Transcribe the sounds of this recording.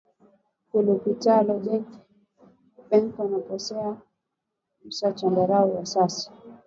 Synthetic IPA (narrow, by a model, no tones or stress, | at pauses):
kulukitalɔd͡ʒɛŋki̥ | ɓɛŋkanapɔsɛa | m̩sat͡ʃɔndaɾaɔwasasḁ